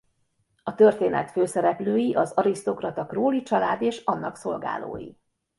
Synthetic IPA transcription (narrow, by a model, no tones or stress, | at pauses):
ɒt̪ø̞rt̪eːnɛ̰t̪føːsɛɾɛpløːjiʔɒzɒɾist̪o̞krɒt̪ɒkroːlit͡ʃɒlaːd̪eːʃɒnːɒkso̞lɡa̰ːlo̰ːjḭ